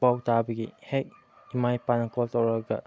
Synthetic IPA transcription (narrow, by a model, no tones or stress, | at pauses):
awtabɐɡḭhek̚ | imajpanɐkʰɔltɐwɾɐɡɐ̰